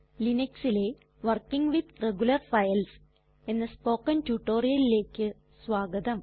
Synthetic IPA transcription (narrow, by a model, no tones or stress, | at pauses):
lineksile | ʋɐrkiŋɡʋid̪reɡulɐrfɐjɐls | enːɐspo̞ːkːɐntuʈːo̞ːrijɐlile̞ːkːɨ | sʋaːɡɐd̪ɐm